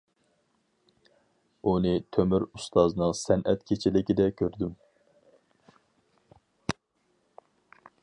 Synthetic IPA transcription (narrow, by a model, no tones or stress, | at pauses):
unɨt̪ʰømyɾust̪ʰɑznɨŋsɛnʔɛt̪kʲʰet͡ʃʰilɪkʲid̪ɛkʲʰøɾd̪ym